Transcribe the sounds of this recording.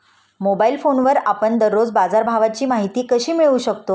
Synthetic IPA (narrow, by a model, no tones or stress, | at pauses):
mobailfonʋəɾapəɳd̪əɾːod͡zbad͡zaɾbʱaʋat͡ɕiːmaɦit̪iːkəɕiːmiɭuːɕəkt̪o